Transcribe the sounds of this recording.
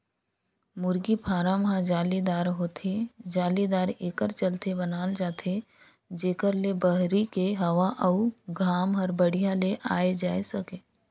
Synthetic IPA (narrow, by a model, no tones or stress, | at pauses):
mʊɾɡipʰaːɾamɦãd͡ʒaːlid̪aːɾɦoːt̪ʰed͡ʒaːlid̪aːɾeːkəɾt͡ʃəlt̪ʰebənaːld͡ʒaːt̪ʰe | d͡ʒeːkəɾlebəɦɾikeɦɐʋaʔɐuɡʱaːmɦɔɾbəɽ̤ijãleʔaːed͡ʒaːesɐkeː